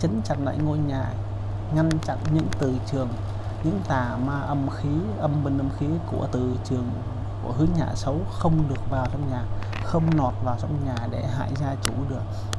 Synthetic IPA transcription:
t͡ɕə˨˦nt͡ɕa̰˨˩nla̰ː˧˨jŋo˧jɲaː˨˩ | ŋa˧ŋt͡ɕa̰˧˨nɲɨ̰˧˥ŋt̪ɨ˨˩t͡ɕɨ˨˩əŋ | ɲɨ̰˧˥ŋt̪aː˨˩maː˧ʔə˧mxi˨˦ʔə˧mmi˧˩ŋʔə˧mxi˨˦ku˧˩ət̪ɨ˨˩t͡ɕɨ˨˩əŋ | ku˧˩əɦɨ˨˦ɲa̰ː˨˩sə˨˦wxə˧wŋ͡mɗɨ˨˩ək̚vaː˨˩wt͡ɕa˧wŋ͡mɲaː˨˩ | xə˧wŋ͡mnɔ˨˩t̚vaː˨˩wt͡ɕɔ˧wŋ͡mɲaː˨˩ɗe˧˩ɦa̰ː˧˨jzaː˧t͡ɕu˧˩ɗɨ˨˩ək̚

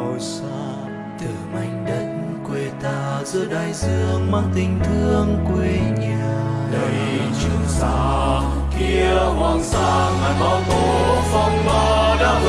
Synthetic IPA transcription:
o˨˩js | ɔ˧˩ | t̪ɨ˨˩ma˨˧˩jŋ̟ɗə˨˧˦k̚ | kwe˧˩t̪aː˧zɨ˧˥əɗaː˧˩jzɨ˧˩əŋma˦˥k̚t̪ï˧˩ŋ̟t̪ʰɨ˧əŋkwi˧˦ɲa˧˩ɗə˧˦jt͡ɕɨ˧˩əŋsaː˨˧˦ | ki˧əhaː˧˩nsaː˧˦haː˨˩jmɔ˧˩t̪o˨˦fɔ˧˩wŋ͡mmɔ˧˦˩ɗaː˧˦

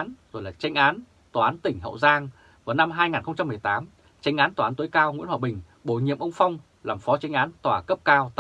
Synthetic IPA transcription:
nzo˨˩jlaː˨˩t͡ɕa˨˧jŋ̟ʔaː˨˦n | t̪waː˨˩ʔaː˨˦nt̪ï˨˩ŋ̟ɦə̰˧˨wzaː˧ŋ | vaː˨˦na˧mɦaː˧jŋaː˨˩nxə˧wŋ͡mt͡ɕa˧mːɨ˨˩əjt̪aː˨˦m | t͡ɕa˨˦jŋ̟ʔaː˨˦nt̪wːaː˨˦nt̪ə˨˦jkaː˧wŋḭ˧˥nhwaː˨ɓï˨˩ŋ̟ | ɓo˧˩jɲḭ˧˨əmʔə˧wŋ͡mfa˧wŋ͡m | laː˨˩mfɔ˨˦t͡ɕa˨˦jŋ̟ʔaː˨˦nt̪waː˧˩kə˦˥p̚kaː˧wt̪

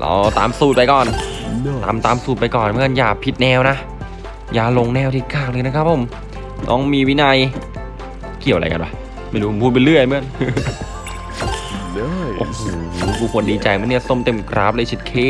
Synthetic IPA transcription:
lʔɔ̰˨˧˩wt̪a̰ː˨˧msuː˨˩t̪̚pa˧jkɔː˨˩nt̪aː˨˧˩mt̪aː˧msuː˨˩t̪̚pa˧jkɔː˨˩nm˦ɯ˥ə˨njaː˧˩pʰi˦˥t̪̚nɛː˧wna˦˥ʔ | jaː˧˩lo˧ŋnɛː˧˩wt̪ʰiː˧˩kaː˧˩k̚lɤː˧jna˦˥kʰa˦˥p̚ʰːo˧˩m | nʔɔ̰ː˦˥ŋmiː˧wi˦˥na˧j | ki˨˩wʔɾa˧jka̰˧nba˧˩ | ma˥˩jɾuː˦˥o˨˩pʰuː˥˩t̪̚pa˧lɯ˥˩əjmɯ˦˥˩ən | ʔo̰ː˧˩hoː˨˩˧kʰuː˧˩kʰu˧əndiː˧t͡ɕa˨˧˩jmɯ˧˥˦ni˥˩so˥˩˨mt̪e˧˩mkʰɾa̰ː˦˥p̚lɤː˧jt͡ɕʰi˧˩t̪̚kʰeː˧˥

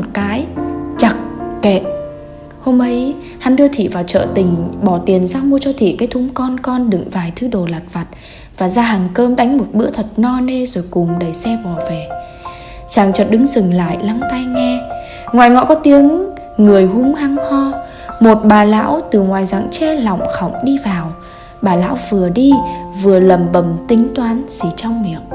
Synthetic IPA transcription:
o˨˩t̚kaː˨˦jt͡ɕa˨˩k̚kḛ˧˨ | ho˧mʔə˨˦j | ha˧˩nɗɨ˧ət̪ʰḭ˧˨vaː˨˩wt͡ɕə̰ː˧˨t̪ï˨˩ŋ̟ɓɔ˧˩t̪i˨˩ənzaː˧mu˧ət͡ɕɔ˧t̪ʰḭ˧˨kaː˨˦jt̪ʰʊ˨˦ŋ͡mkɔ˧nkɔ˧nɗɨ̰˧˨ŋvaː˨˩jt̪ʰɨ˨˦ɗo˨˩la˨˩t̚va˨˩t̚ | vaː˨˩zaː˧ɦaː˨˩ŋkəː˧mɗa˨˦jŋ̟mo˨˩t̚ɓɨ̰˧˥ət̪ʰə˨˩t̚nɔ˧ne˧zo˨˩jkʊ˨˩ŋ͡mɗə˨˧˩jsɛ˧ɓɔ˨˩vɛ˨˩ | t͡ɕaː˨˩ŋt͡ɕɔ˨˩t̚ɗɨ˨˦ŋzɨ˨˩ŋla̰ː˧˨jla˧ŋt̪a˧jŋɛ˧ | ŋwaː˨˩jŋɔ̰˧˨kɔ˨˦t̪i˨˦əŋː | ɨ˨˩əjɦʊ˨˦ŋ͡mha˧ŋhɔ˧ | mo˨˩t̚ɓaː˨˩la̰ː˧˥wt̪ɨ˨˩ŋwaː˨˩jza̰˧˨ŋt͡ɕɛ˧lɔ̰˧˨wŋ͡mxa˧˩wŋ͡mɗi˧vaː˨˩w | ɓaː˨˩la̰ː˧˥wvɨ˨˩əɗi˧vɨ˨˩ələ˨˩mɓə˨˧˩mt̪ï˨˦ŋ̟t̪waː˨˦nsi˧˩t͡ɕɔ˧wŋ͡mmi˨˩əp̚

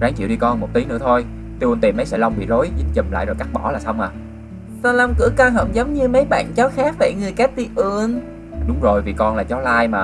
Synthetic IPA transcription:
ɣaː˨˦ŋt͡ɕḭ˧˨ɗi˧kɔ˧nmo˨˩t̪̚i˨˦nɨ̰˧˥ət̪ʰo˧j | t̪i˧ʔu˧nt̪i˨˩mːə˨˦jsɛ̰˧˥la˧wŋ͡mɓḭ˧˨lo˨˦jzt̚t͡ɕə˨˩m̚la̰ː˧˨zo˨˩ka˦˥k̚ɓɔ˧˩laː˨˩sa˧wŋ͡mʔaː˨˩ | saː˧la˧wŋ͡mkɨ̰˧˩əkaː˧ɦə̰˧˩ŋ͡mzə˨˦wŋ͡mɲɨ˧mə˨˦jɓa̰ː˧˨nt͡ɕɔ˨˦xaː˦˥k̚va̰ː˧˩jŋɨ˨˩əjkaː˦˥t̪i˧ʔu˧ən | ɗʊ˨˦ŋ͡mzo˨˩jvi˨˩kɔ˧nlaː˨˩t͡ɕɔ˨˦laː˧jmaː˨˩

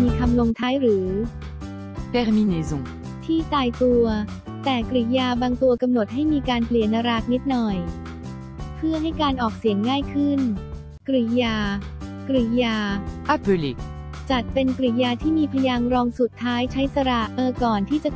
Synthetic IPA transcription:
miː˧kʰa˧mlo˧ŋt̪ʰaː˦˥jɾɯː˩˦ | t̪ɛ˧˥ʁmi˧neː˧zõ˧ | t̪ʰiː˥˩t̪aː˧jt̪u˧ɐ | t̪ɛː˨˩kɾi˨˩jaː˧baː˧ŋt̪u˧ɐka˧mno˨˩t̪̚ɦa˥˩jmiː˧kaː˧npli˨˩ə˩nːa˧ɾa˦˥k̪̚ni˦˥t̪̚nɔ˨˩j | pʰɯ˥˩ɐɦa˥˩jkaː˧nʔɔː˨˩k̚si˨˩˦əŋːaː˥˩jkʰɯ˥˩n | kɾi˨˩jaː˧ | kɾi˨˩jaː˧ʔa˧pe˧le˧ | t͡ɕa˨˩t̪̚pe˧nkɾi˨˩jaː˧t̪ʰiː˥˩miː˧pʰa˧jaː˧ŋɾɔː˧ŋsu˨˩t̪ʰːaː˦˥jt͡ɕʰa˦˥jsa˧ɾa˨˩ʔʔɤː˧kɔː˨˩nt̪ʰiː˥˩t͡ɕa˨˩

